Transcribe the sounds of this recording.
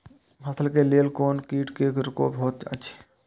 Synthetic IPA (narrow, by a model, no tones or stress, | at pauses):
mɐsʰəlkeleːlkoːnkiːʈkekɾʊko̰ːbʱoːt̪ə̰tːʃʰe̥